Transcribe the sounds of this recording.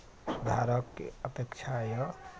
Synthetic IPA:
sud̪ʱaɾəkːḛəpjekt͡ʃʰajə

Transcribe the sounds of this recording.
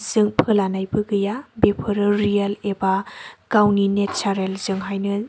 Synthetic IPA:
zɯŋpʰɯlanajbɯɡɯjabepʰɯɾɯɾijalebakawninet͡ʃaɾelzɯŋɦajnɯ

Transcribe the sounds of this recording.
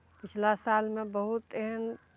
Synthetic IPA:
pɪt͡ʃʰlasaːlmẽbəɦʊt̪ɛɦən

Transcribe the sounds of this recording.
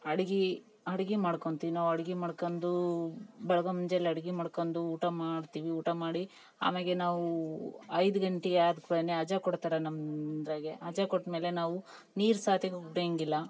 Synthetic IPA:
ɐɽiɡi | ɐɽiɡimaːɽkoɳt̪iʋinaːʋɐɽiɡimaːɽkond̪ubɛɭɐɡomuɲd͡ʒelːɐɽiɡimaːɽkond̪uuːʈamaːɽt̪iːʋiuːʈamaːɽi | a̰ːmeɡenaːʋuɐjd̪uɡɐɳʈeaːd̪kuɭɐneɐd͡ʒakoɽt̪aːɾɐnɐmd̪ɾɐɡeɐd͡ʒakoʈːme̞ːlenaːʋu | niːɾsaːt̪ʰjɐɡuɽeŋɡilːɐ

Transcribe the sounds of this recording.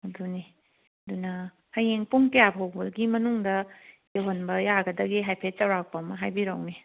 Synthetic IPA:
ɐduni | ɐdunɐ | hɐjeŋpuŋkejabɦowbulɡimɐnuŋdɐjeɦonbɐjaɡɐdɐɡiɦajpʰet͡ʃɐwɾak̚pɐmɐɦajbiɾawni

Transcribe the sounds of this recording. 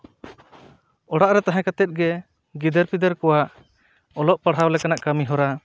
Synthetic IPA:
ɔɽaʔɾɛt̪aɦɛ̃kat̪ɛt̪̚ɡɛ | ɡid̪əɾpid̪əɾkɔwaʔ | ɔlɔʔpaɽ̤ɦawlɛkanaʔkamiɦɔɾa

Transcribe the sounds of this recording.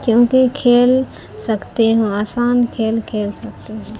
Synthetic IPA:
kjõːkikʰeːl | sɐkt̪eɦũːaːsaːnkʰeːlkʰeːlsɐkt̪eɦũː

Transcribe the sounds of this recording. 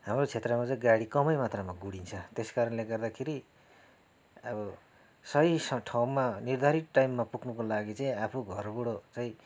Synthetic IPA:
hamrot͡sʰet̪rʌmat͡sãɡaɽikʌmʌjmat̪ramaɡuɽint͡sʰʌt̪eskaɾʌnleɡʌrd̪akʰeɾi | ʌbʌ | sʌisʌʈʰaw̃manird̪ʱaɾiʈ̪ʈːajmːapukʰnukolaɡit͡saĩapʰuɡʱʌrbuɽot͡saĩ

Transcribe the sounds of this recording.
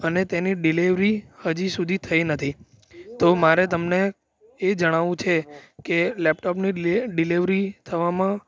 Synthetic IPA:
ənet̪eniɖiliʋɾihəd͡ʒisud̪ʱit̪ʰəjnət̪ʰi | t̪omaɾet̪əmne | ed͡ʒəɽ̃aʋũt͡ʃʰekelɛp̚ʈɔpniɖiliʋɾit̪ʰəʋamã

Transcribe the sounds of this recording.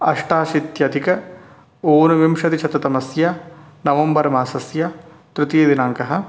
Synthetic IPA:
ɐʂʈaːʃit̪jɐd̪ikɐ | oːnuʋimʃɐt̪it͡ʃʰɐt̪ɐt̪ɐmɐsjɐnɐʋɐmbɐɾɐmaːsɐsjɐ | t̪ɾut̪id̪inaːŋkɐɦɐ̆

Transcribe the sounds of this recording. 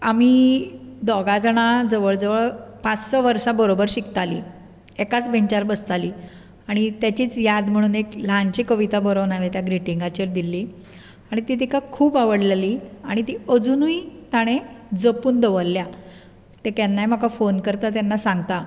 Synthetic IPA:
amiːd̪ɔɡad͡zəɽ̃ad͡zəʋəɭd͡zəʋəɭpat͡ssɔʋəɾsabəɾobəɾɕikt̪alḭː | ekat͡sbeɲt͡ɕaɾbəst̪aliː | aɽ̃it̪jat͡ɕiːt͡sjad̪m̤əɽ̃uːneklaɲt͡ɕikəʋit̪abəɾəʋnaʋet̪jaɡɾiʈiŋɡat͡ɕeɾd̪ilːiː | aɽ̃it̪iːt̪ikakʰuːpaʋəɽlaliːaɽ̃it̪iːəd͡zunuit̪aɽ̃ed͡zəpuːnd̪əʋəɾːja | t̪ekanːajm̤akafonkəɾt̪at̪̬janːasaŋɡt̪a

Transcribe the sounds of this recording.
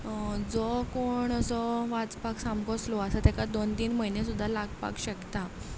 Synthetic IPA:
d͡zɔkoɳəsɔʋad͡zpaksamkɔslɔəsat̪ɛkad̪ont̪iːnməɦinesud̪ʱːalaɡpa̰kɕəkt̪a

